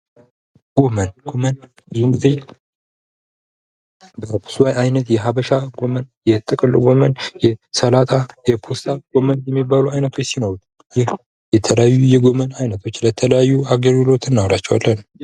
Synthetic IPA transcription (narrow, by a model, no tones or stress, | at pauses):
ɡ̥o̞mənɡomən | bɨzumɡize̞ | bəpʰɨ̥suwajajnət̪jɛɦaβəʃaɡo̞mənjɛt̪ʼɨkʼɨlɡo̞mənjɛsəlat̪ʼajɛpʰost̪ʰaɡ̥o̞mənjɛmːibːaluajnət̪ʰo̞t͡ʃːsinoɾut̪ | jɪh | jɛt̪ʰələjajːujɛɡo̞mənajnət̪ʰo̞t͡ʃːlət̪ʰələjajːuaɡəɾɡɨlo̞t̪ʰɨnːawlat͡ʃːɛwalːən